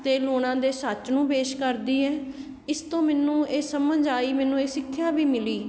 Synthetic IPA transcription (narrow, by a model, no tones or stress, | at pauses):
t̪eːloːɽãːd̪eːsət͡ʃnũːpeːʃkəɾd̪iːɛː | ɪst̪õːmɛːnũːeːsəməɲd͡ʒaːiːmɛ̃ːnũːeːsɪkʰːjaːbiːmɪliː